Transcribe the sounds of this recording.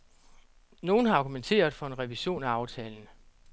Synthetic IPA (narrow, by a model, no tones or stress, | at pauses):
no̝ːn̩ɦɑ̈ɑ̈ɡ̥ument͡sʰe̝̰ːɐð̩ˠfɒ̽e̝nʁɛʋiɕo̝̰ːnæɑ̈ʊt͡sʰɛːln̩